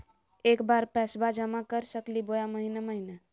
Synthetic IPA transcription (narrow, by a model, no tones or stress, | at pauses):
ekbaɾpɛsbad͡ʒəmakəɾsəklibojaməɦineməɦine